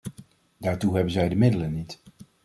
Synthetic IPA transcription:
daːɹtuɦɛbənzɛjdəmɪdələnit

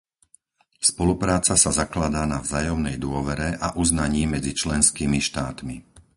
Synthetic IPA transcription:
spɔlupɾaːt͡sasazaklad̪aːnavzaːjɔmnɛjd̪ʊɔʋɛɾɛʔaʔuznaɲiːmɛd͡zit͡ʃlɛnskiːmiʃt̪aːt̪mi

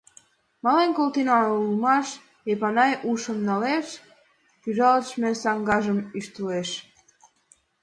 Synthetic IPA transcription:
mɑlenkolt̪inɑulmɑʃ | epɑnɑjʔuʃə̆mnɑleʃ | pyʒɑləʃmesɑŋɡɑʒəmyʃt̪əleʃ

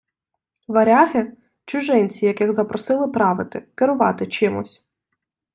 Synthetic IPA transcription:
ʋɐɾʲɑɦɪ | t͡ʃʊʒɪnʲt͡sʲijɐkɪɣzɐpɾɔsɪlˠɪpɾɑʋɪt̪ɪkɪɾʊʋɑt̪ɪt͡ʃɪmʊ̰sʲ

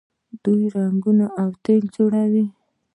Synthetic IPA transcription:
d̪̥ujɾaŋɡunoʔawt̪eld͡ʒoɽawi

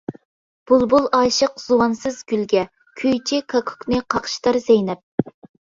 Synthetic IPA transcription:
b̥ulˠbulˠɑːʃəqz̥uwɑnsɨzɡʲylɡʲɛ | kʲʰøjt͡ʃʰikʰɑkʰu̥knɨqʰɑqʰʃt̪ɑɾzɛjnɛp̚

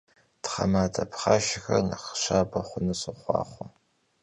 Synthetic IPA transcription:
tχɐmaːtʰʼɐpχaʃɪxɐrnɐχɕaːbɐχʷʊnɨsɨχʷɑ̰ːχʷɔ

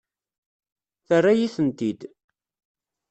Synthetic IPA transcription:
θərːajiθənt̪id̪

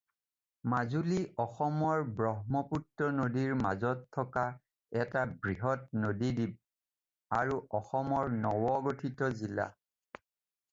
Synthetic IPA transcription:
mazuliʔɔxɔmɔɹbɹɔɦmɔputɹɔnodiɹmazɔtʰːɔka | ɛtabɹiɦɔtnodidib̚ | aɹuʔɔxɔmɔɹnɔwɔɡotʰitɔzila̰

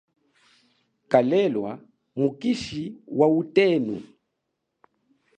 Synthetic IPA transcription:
kalɛlwa̰ | mukiʃiwautɛnṵ

